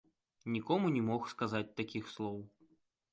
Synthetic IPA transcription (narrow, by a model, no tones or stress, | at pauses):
nʲikɔmunʲɛmɔxskazat͡sʲt̪akʲixslˠɔw